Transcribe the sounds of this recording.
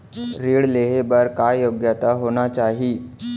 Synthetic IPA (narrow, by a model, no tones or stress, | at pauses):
ɾiɽleɦebəɾkajoɡjat̪aɦoñat͡ɕaɦiː